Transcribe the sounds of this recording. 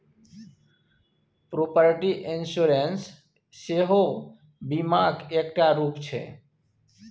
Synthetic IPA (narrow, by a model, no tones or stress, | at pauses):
pɾopəɾʈiʔɪnsuɾensː | eɦo | bimaɡekʈaɾuːpt͡ʃʰḛ